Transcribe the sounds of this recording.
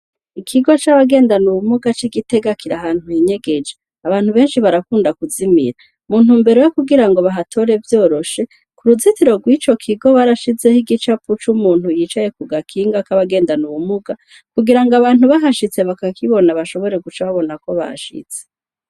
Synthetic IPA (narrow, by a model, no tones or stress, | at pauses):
ikʰiɡo̞t͡ʃaβaɡe̞ːndanuβumuɡat͡ʃiɡite̞ɡakiɾahaːn̥hujiɲe̞ɡe̞d͡ʒe | aβaːn̥huβe̞ːnʃiβaɾakuːndakuzimḭɾa | mun̥uːmbeɾo̞jokuɡiɾaŋɡo̞βaɦatʰo̞ɾe̞vjo̞ːɾo̞ʃe̞ | kuɾuzitiɾo̞ɡwit͡ʃo̞kʰiɡo̞βaɾaʃize̞hiɡit͡ʃaput͡ʃumuːnhujit͡ʃaje̞kuɡakʰiːŋɡakaβaɡe̞ːndanuβumuɡa | kuɡiɾaŋɡaβaːnhuβaɦaʃit͡seβakakiβo̞naβaʃo̞βo̞ɾe̞ɡut͡ʃaβaβo̞nako̞βa̰ha̰ʃḭt͡se